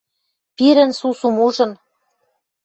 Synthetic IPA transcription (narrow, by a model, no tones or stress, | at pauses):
piɾɘ̆nsusumuʒɤ̆n